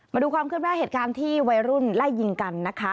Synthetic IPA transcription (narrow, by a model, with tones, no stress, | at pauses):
maː˧duː˧kʰwaː˧mkʰɯ˥˩t̚naː˥˩ɦe˨˩t̪̚kaː˧nt̪ʰiː˥˩wa˧jɾu˥˩nla˥˩jːi˧ŋka˧nːa˦˥kʰa˦˥